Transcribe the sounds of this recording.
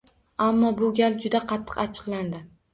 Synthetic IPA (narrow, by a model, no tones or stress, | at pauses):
amːɒbʊɡʲald͡ʒʊd̪aqʰɑt̪ʰːɨ̥qat͡ʃʰɨ̥qlˠand̪ɪ